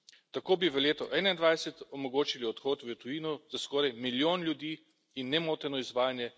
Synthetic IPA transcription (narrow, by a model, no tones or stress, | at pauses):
t̪akoːbiʋəleːt̪ɔʔɛːnaind̪ʋajsɛt̪ɔmɔɡoːt͡ʃiliɔt̪xoːt̪ʋət̪ujiːnɔz̥askɔːɾajmiljoːnljud̪iː | inːɛmoːt̪ɛnɔizʋaːjanjɛ